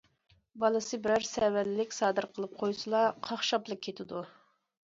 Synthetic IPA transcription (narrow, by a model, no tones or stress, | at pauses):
bɑlˠɨsɨbɪɾæɾsɛwællɪkʲsɑːd̪ɨɾqʰəlˠɨp̚qʰojsɨlˠɑqʰɑχʃɑplˠək̚kʲʰːet̪ʰɪd̪u